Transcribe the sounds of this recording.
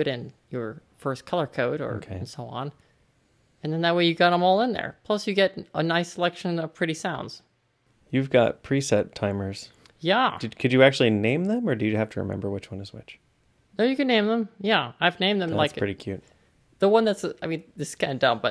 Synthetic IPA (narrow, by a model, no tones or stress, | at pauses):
ɾɪ̃njə˞fɜ˞skʰʌlˠə˞kʰoʊɾə̰˞kʰẽnsoʊə̰̃n | ɨ̃nðɨ̃nðət̚weɪjɨɡɑɾə̃mɔlˠə̃nðə̰˞pʰl̥ʌsjɨɡɛɾənaɪsəlɛkʃɨ̃nʌ̥pʰɹ̥ɪɾisãʊ̃ndz̥ | jʉvɡɑ̰t̚pʰɹ̥isɛtʰãɪ̃mə˞z̥ | jæd̥ɨkʰɨd͡ʒɨæk̚t͡ʃʉl̩ˠinẽɪ̃mðə̃mə˞dɨjɨhæftʰəɹɨ̰mɛ̰̃mbə˞wɨt͡ʃwʌ̰̃nɨzwɪ̰t͡ʃ | noʊjɨkɨdⁿnẽɪ̃mðə̃mjæaɪvnẽɪ̃mðɨ̃laɪskɹɪɾikʰj̥ʉt̚ | ðəwʌ̃nðætsaɪmĩnðɪskʰãɪ̃ndʌ̃mb̥ʌ